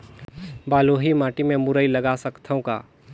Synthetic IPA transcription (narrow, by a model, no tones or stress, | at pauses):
baːloːɦimaːʈimẽmʊɾəilɐɡasɐkt̪ʰəõka̰ː